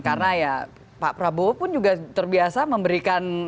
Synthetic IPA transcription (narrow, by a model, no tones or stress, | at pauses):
karnaja | papɾabopʊnd͡ʒuɡat̪ərbiasaməmbəɾikan